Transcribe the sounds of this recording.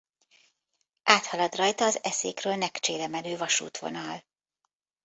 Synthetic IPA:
aːt̪hɒlɒd̪rɒjt̪ɒːzɛsḛːkrøːlnɛkt͡ʃeːlɛmɛløːvɒʃṵːt̪ʋo̞̰nɒl

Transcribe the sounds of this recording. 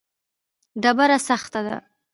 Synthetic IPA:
ɖabaɾasaxt̪ad̪a̰

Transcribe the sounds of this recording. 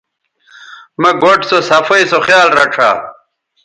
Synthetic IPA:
mɐɡoʈsosɐfɐjsoχjaːlɾɐʈ͡ʂʰa̰ː

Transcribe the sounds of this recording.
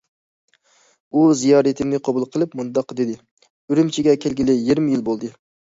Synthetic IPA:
uzijɑːɾɨt̪ʰɪmnɪqʰɑbulˠqʰəlˠɨpmund̪ɑqd̪ɪd̪ɪ | yɾymt͡ʃʰiɡʲɛkʲʰelɡʲilɪjiɾmɪjilbolˠd̪ɨ

